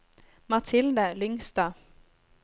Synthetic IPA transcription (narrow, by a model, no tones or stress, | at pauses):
mat̪ʰɪld̪əlʏŋst̪a